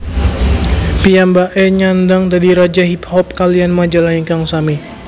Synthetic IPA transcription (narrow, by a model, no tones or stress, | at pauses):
piambaʔɛɲandaŋdadiɾad͡ʒaɦip̚hɔp̚kalianmad͡ʒalaiŋkaŋsami